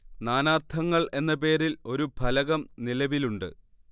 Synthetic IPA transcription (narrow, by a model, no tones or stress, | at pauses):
naːnaːrt̪ʰɐŋːɐɭʔe̞nːɐp̬e̞ːɾilo̞ɾubʱɐlɐɣɐmnilɐʋiluɳɖɨ̰